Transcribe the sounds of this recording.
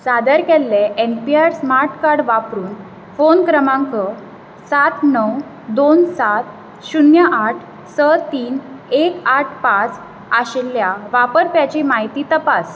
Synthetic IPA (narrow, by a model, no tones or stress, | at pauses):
sad̪əɾkɛlːeʔempiaɾsmaɾʈkaɽʋapɾuːn | fonkɾəmãŋkə | sat̪nəw | d̪onsat̪̚ | ɕunjəʔaʈʰ | sət̪iːnekaʈʰpãt͡s | aɕelːjaʋapəɾpjat͡ɕimaɦit̪iːt̪əpas